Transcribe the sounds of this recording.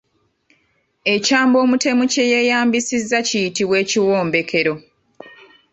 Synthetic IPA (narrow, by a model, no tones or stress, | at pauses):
e̞caːmbo̞ːmute̞muce̞je̞jaːmbisizːacijitiβwe̞ːciwoːmbe̞kʰe̞ɾo̞